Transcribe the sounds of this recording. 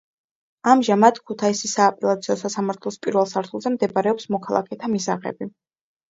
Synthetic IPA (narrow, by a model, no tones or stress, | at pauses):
amʒamad̪̥kʰut̪ʰaisisaːpʼɛlˠat̪sʰiɔsasamaɾt̪ʰlˠɔspʼiɾvɛlˠsaɾt̪ʰulˠzɛmd̪ɛbɾɛɔpsmɔkʰalˠa̰kʰɛt̪ʰamisaʁɛ̰bi